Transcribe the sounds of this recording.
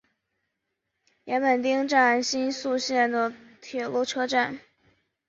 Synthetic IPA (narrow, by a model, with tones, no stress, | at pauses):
jɛ˧˥npə˨˩nt̪i˥ŋʈ͡ʂa˥˩nɕi˥nsu˥˧ɕjɛ˥˩nd̪ə˩ | t̪ʰjɛ˨˩lu˥˩ʈ͡ʂʰɤ˥ʈ͡ʂa˥˩n